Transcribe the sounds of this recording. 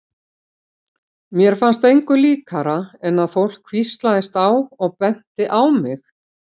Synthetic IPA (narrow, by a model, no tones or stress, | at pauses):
mjɛɾ̥fanst̪ejŋkʏliːkʰaɾaɛnːaðfowl̥kʰvist̪laðɪst̪awɔɣpɛn̥t̪ɪʔawmɪx